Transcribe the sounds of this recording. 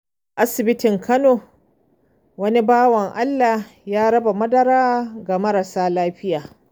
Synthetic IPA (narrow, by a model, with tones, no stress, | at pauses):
ʔa˦sɪ˨bɪ˦tɪ˨ŋkɐ˦noː˨ | wɐ˦ni˦baː˦wɐ˨ŋʔa˦lːaː˨jaː˦ɽɐ˦ba˨mɐ˦dɐ˦ɾaː˦ɡa˨mɐ˦ɾa˨saː˦laː˦ɸɪ˦jaː˨